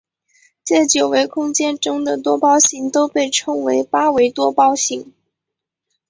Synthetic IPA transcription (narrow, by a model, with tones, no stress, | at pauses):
t͡ɕjɛ˥˩t͡ɕjo˨˩ʊwe˧˥ɪkʰʊ˥ŋt͡ɕjɛ˥˧nʈ͡ʂɤ˥ŋd̪ə˨t̪wɔ˥pɑ˥ʊɕi˧˥ŋt̪o˥ʊpe˥˩ɪʈ͡ʂʰɤ˥ŋwe˧˥ɪpa˥we˧˥ɪt̪wɔ˥pɑ˥ʊɕi˧˥ŋ